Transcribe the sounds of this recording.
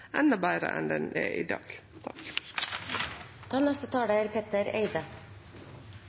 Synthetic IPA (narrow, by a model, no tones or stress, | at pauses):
ʔɛnəbæːɾə̰ʔɛnd̪ɛneːʔiːd̪ɑ̰ːɡ̥t̪ʰɑk | d̪̥ɑːnɛst̪ət̪ʰɑːɽəæːɾpʰet̪əɾḛɪd̪ə